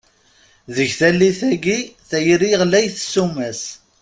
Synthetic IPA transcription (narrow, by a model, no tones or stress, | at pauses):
ðəʝθælːiθæɡiθæjɾiʁlæjθəsːumæs